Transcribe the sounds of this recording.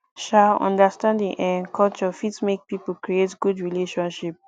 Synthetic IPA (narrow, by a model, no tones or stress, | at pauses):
ʃaɔ̰̃ndəstãndĩŋʔɛ̃nkʰɔlt͡ʃɔfitmek̚pipukɹietɡudɹileʃɔ̃nʃip̚